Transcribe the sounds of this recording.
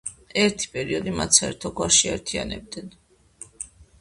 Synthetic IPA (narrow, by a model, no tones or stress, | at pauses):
ɛɾt̪ʰi̥pʼɛɾiɔd̪imat̪saɛɾt̪ʰɔɡwaʃia̰ɾt̪ʰia̰nɛ̰b̚d̪ɛn